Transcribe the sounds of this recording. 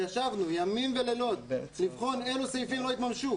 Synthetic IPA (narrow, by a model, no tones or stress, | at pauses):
jaʃavnujamimvelelo̞d̪̚livχo̞ne̞lusejifimlo̞it̪mamʃu